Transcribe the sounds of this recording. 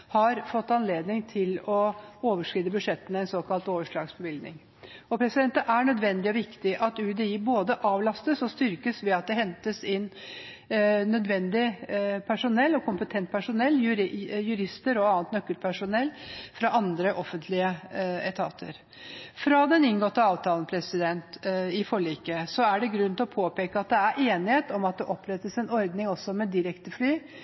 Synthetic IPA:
hɑɾfɔt̪ːɑnleːd̪nɪŋt̪ʰɪlɔoːʋəʂkɾiːd̪əbʉʂɛt̪ːənɛnsoːkʰɑlt̪oːʋəʂɭɑːɡsbəʋɪld̪nɪŋ | ɔpʰɾɛsɪd̪ɛnt̪əʔæɳœd̪ʋɛnd̪ɪɔʋɪkt̪ɪʔɑt̪ʉːd̪ɛiːboːd̪əʔɑːʋlɑst̪əsɔst̪ʏɾkəsʋɛɑt̪̚d̪ɛɦɛnt̪əsɪnː | nœd̪ʋɛnd̪ɪpʰæʂʊnɛlːɔkʰʊmpət̪ʰɛnt̪̚pʰæʂʊnɛlːjʉɾjʉɾɪst̪əɾɔɑːnt̪nœkːəlpʰæʂʊnɛlːfɾɑʔɑnd̪ɾəʔɔfənt̪ʰlɪəɛt̪ʰɑ̰ːt̪ʰə̰ɾ | fɾɑd̪ɛnɪnɡɔt̪ːəɑːʋt̪ʰɑːlən̩pʰɾɛsɪd̪ɛnt̪ɪfɔɭiːkəsɔæɖɛɡɾʉnːt̪lɔpʰoːpeːkəɑt̪̚d̪ɛæɾʔeːnɪheːt̪ɔmɑt̪̚d̪ɛʔɔpːɾɛt̪ːəsɛnɔɾd̪nɪŋɔsːɔmɛd̪ɪɾɛkt̪əflyː

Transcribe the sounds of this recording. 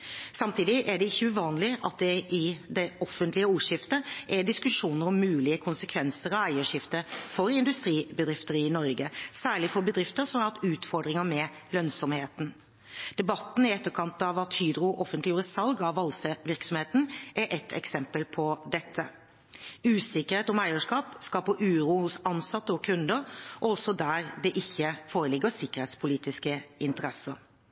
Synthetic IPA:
sɑmt̪ʰiːd̪ɪʔæɖɛɪçːəʉʋɑːnlɪʔɑt̪̚d̪ɛɪd̪ɛʔɔfənt̪lɪəuːʂɪft̪əʔɛɖ̪ɪskʉʂuːnəɾɔmːʉːlɪəkʰʊnsəkʰʋɛnsəɾɑʋæɪəʂɪft̪əfɔɾɪnd̪ʉst̪ɾiːbəd̪ɾɪft̪əɾɪnɔɾɡəsæːɭɪfɔɾbəd̪ɾɪft̪əɾsɔmɑlt̪ʉːt̪fɔɾɖ̪ɾɪŋəmɛ | lœnsɔmheːt̪n̩ | d̪̥ɛbɑt̪ːn̩ɪɛt̪ːəɾkʰɑnt̪ɑʋɑt̪hyːd̪ɾʊʔɔfənt̪lɪjuːɾəsɑlɡɑʋɑlsəʋɪɾksɔmheːt̪n̩ʔæɾʔɛt̪ʰɛ̰ksɛmpəlpʰɔd̪ɛt̪ʰːə | ʉːsɪkəɾheːt̪ɔmæɪəʂkɑːpskɑpɔʔʉːɾuːhʊsɑnsɑt̪ːəɔkʰʉnd̪əɾʔɔɔsːɔd̪æɾd̪ɛʔɪçːəfoːɾəlɪɡːəsɪkːəɾheːt̪spʰʊliːt̪ɪskəɪnt̪əɾɛsə̰ɾ

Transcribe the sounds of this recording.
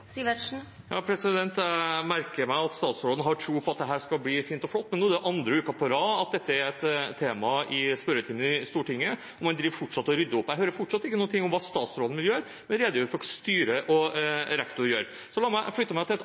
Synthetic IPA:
siʋəʂn̩ | jɑ̰ːpʰɾɛsɪd̪ɛnt̪æmæɾkəɾmæɪɑt̪st̪ɑːt̪sɾoːd̪ənəɦɑʈʰɾuːpʰɔɑt̪̚d̪ɛɦæːʂkɑbliːfiːnt̪ɔflɔt̪ːmɛnuːd̪ɛʔɑnd̪ɾəʉːkɑpʰɔɾɑːɑt̪̚d̪ɛt̪ːəæɾɛt̪t̪ʰːeːmɑɪspœɾət̪ʰiːmənɪst̪uːʈɪŋːə | ɔmɑnd̪ɾiːʋɾfɔʈʂɑt̪ːɔɾʏd̪ːəʊpːæɦøːɾəɾfɔʈʂɑt̪ːɪkːnuːnt̪ʰɪŋːʊmʋɑːst̪ɑːt̪sɾoːd̪n̩ʋɪljøːɾ | mɛnɾeːd̪əjʉːɾəfɔɾst̪yːɾəʔɔɾɛkt̪ʊɾjøːɾ | sɔlɑːɾmæɪflʏt̪ːəmæɪt̪ɪlɛt̪

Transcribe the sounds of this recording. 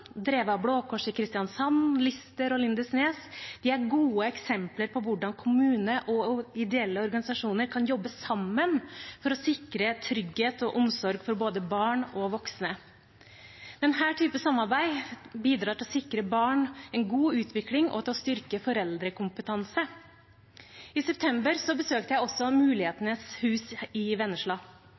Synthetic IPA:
d̪ɾeːʋəɑbloːkʰɔʂɪkʰɾɪst̪ɪjɑnsɔnlɪst̪əɾɔlɪnd̪əsneːsd̪ɪæɾɡuːəɛksɛmpləɾpʰɔʋʊɖɑnkʰʊmʉːnəʔɔɪd̪ɛɛlːəɔɾɡɑnɪsɑʂuːnəɾkʰɑnjɔbːəsɑmːənfɔɾɔsɪkɾət̪ʰɾʏɡheːt̪ɔʔʊmsɔɾɡfɔɾboːd̪əbɑːɳɔʋɔksnə | d̪̥ɛnhæːʈʰyːpəsɑmːɑɾbæɪbiːd̪ɾɑːɾʈ̪ʰɪlɔsɪkɾəbɑːɳɛnɡuːʉːt̪ʰʋɪklɪŋʔɔ̰t̪ʰɪlɔst̪ʏɾkəfɔɾɛld̪ɾəkʰʊmpət̪ʰɑnsə | ɪsɛp̚t̪ʰɛmbəɾsɔbəsøːk̚t̪əjæɪɔsːɔmʉːlɪheːt̪ənəshʉːsɪʋɛnːəʂɭɑː

